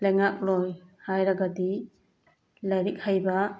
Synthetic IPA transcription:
lajŋak̚lɔjhajɾɐɡadi | lajɾik̚hajba

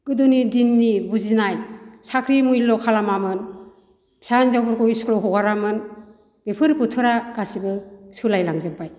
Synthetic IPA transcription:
ɡ̥ɯdunidinːibuzinajsakʰɾimujlɔkʰalamamɯn | sanzawbɯɾkɔjisklɔɦɔɡaɾamɯn | b̥epʰɯɾkutʰɯɾaɡasibɯsulajlaŋzɯbaj

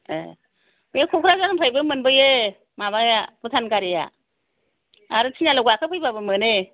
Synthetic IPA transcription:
ḛ | mjekʰukʰɾazanɯmpʰajbɯmɯnbɯje | maβajabɯtʰanɡaɾeja̰ | aɾɯtʰinalɯɡakʰɯpʰɯjbabɯmɯne

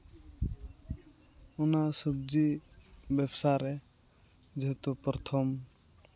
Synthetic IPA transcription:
unasub̚d͡ʒibɛbsaɾɛ | d͡ʒeɦɛt̪upɾɔt̪ʰɔm

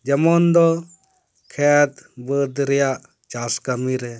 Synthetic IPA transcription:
d͡ʒɐmɔnd̪ɔ | kʰɛt̪bəd̪ɾɛja | t͡ʃaskamiɾɛ

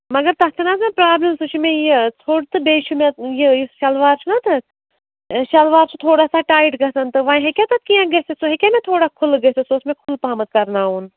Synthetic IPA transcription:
mɐɡɐɾt̪ɐk̪ʰinasmẽpɾaːbləmsut͡ʃʰimẽjet͡sʰoːɽt̪ɨbeːʃumẽjejsʃɐlʋaːɾt͡ʃʰnɐt̪ɨ | ʃɐlʋaːɾt͡ʃut̪ʰoːɽaːsaʈaːiʈɡɐsɐnt̪ɨʋãːɦekʲat̪ɐt̪̚kijãɡɐsesoɦekʲemẽt̪ʰoːɽaːkʰʊlɡɐsesoːsmẽkʰʊlpaːmɐt̪̚kɐɾnaːɦuːn

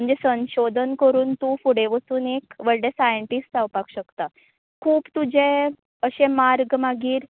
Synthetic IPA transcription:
əɳd͡zesə̃ɕod̪ʱənkəɾuːnt̪ufuɽeʋəsuːnekʋəɭɖesajəɳʈisʈawpakɕəkt̪a | kʰuːpt̪ud͡ʑe | əɕemaɾɡmaɡiːɾ

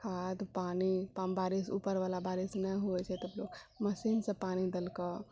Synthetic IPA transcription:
kʰaːd̪paːnipabaːɾisṵːpəɾʋaːlabaːɾisnəɦuɛt͡ʃʰɛt̪əbloɡməsiːnsəpaːnid̪əlka

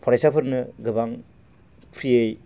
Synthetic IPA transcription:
pʰɔɾajsapʰɯɾnɯɡɯbaŋ | pʰɾiej

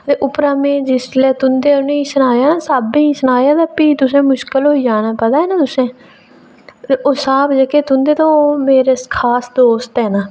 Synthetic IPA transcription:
t̪eːʔʊpɾaːmẽːd͡ʒɪslɛːt̪ʊnd̪eːʊnẽːsənaːjaːsaːbĩːsənaːjaːd̪aːpiːt̪ʊsẽːmʊʃkəlɦoːiːd͡ʒaːnaːpəd̪aːɛːnãːt̪ʊsẽː | t̪eːʔoːsaːbd͡ʒəkeːt̪ʊnd̪eːt̪ãːoːmeːɾeːkʰaːsd̪oːst̪ɛːnaː

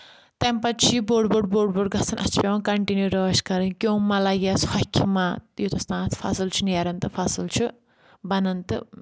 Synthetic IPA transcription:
t̪ɐmpɐt͡ʃʰiboːɖboɖboːɖboːɽ̚ɡɐsʰɐnʔɐ̰st͡ʃʰpʲɐʋɐnkɐɳʈinjuɾəːʃkɐɾɨnkʲjõːmɐlaɡɐshɔkʰːimaːt̪jot̪ɐst̪ãːt̪ʰfʰɐ̰sɨlt͡ʃʰunɐɾɐnt̪ɨfʰɐsɨlt͡ʃʰu | bɐnɐnt̪ɨ

